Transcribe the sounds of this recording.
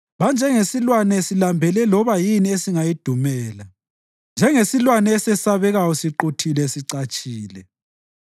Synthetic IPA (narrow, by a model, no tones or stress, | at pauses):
βand͡ʒʱɛŋesilwanɛsilambʱɛlɛlɔβajiniesiŋajid̥ʱumɛːla | nd͡ʒʱɛŋesilwanɛːsɛsaβɛɣajɔsiǃutʰilɛsiǀat͡ʃʼiːlɛ